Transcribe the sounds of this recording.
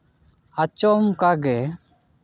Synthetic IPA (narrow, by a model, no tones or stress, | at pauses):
at͡ʃɔmkaɡɛ